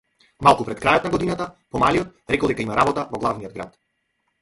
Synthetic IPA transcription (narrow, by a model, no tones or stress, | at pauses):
malˠkupɾɛt̪kɾajɔt̪naɡɔd̪inat̪apɔmaliɔt̪ɾɛkɔlˠd̪ɛkaimaɾabɔt̪avɔɡlˠavnijɔd̪̚ɡɾa̰t̪